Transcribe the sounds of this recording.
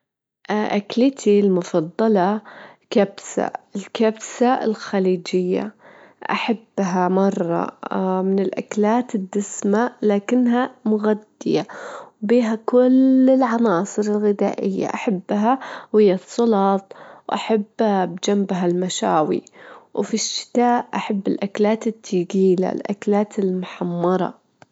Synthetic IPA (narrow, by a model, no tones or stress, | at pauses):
ʔʔaklɪt̪ʰilmʊfɑd̪ˤːɑlɑkabsa̰ɪlkabsaɪ̰lxaliːd͡ʒɪjːa̰ | ʔa̰ħabːɦamɑrˤːɑ̰mɪnɪlʔaklaːt̪ɪd̪ːɪsmalaːkɪnːɦamʊɣad̪ːɪjawbiːɦakʊlɪlʕɑnɑːsˤɨɾɪlɣɪd̪a̰ːʔɪjːa̰ʔaħabːɦawɪjːasˤːʊlɑːt̪̚ˤwʔaħabːbd͡ʒambɦalmaʃaːwḭwfiʃːɪ̥t̪aːʔʔaħabːɪlʔaklaːt̪ɪt̪ʰːiːɡiːla̰lʔa̰klaːt̪ɪlmʊħamːɑɾˤɑ̰